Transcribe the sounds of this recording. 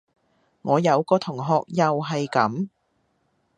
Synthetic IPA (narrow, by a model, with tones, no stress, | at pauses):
ŋɔː˨˧jɐ˨˧wkɔː˧t̪ʰʊ˨˩ŋɦɔː˨˧k̚jɐ˨wɦɐ˨jkɐ˨˥m